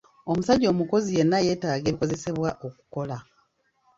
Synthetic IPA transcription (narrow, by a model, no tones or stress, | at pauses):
o̞musaɟːo̞ːmuko̞zije̞nːaje̞taːɡe̞ːβiko̞ze̞se̞βwaʔo̞ku̥ko̞la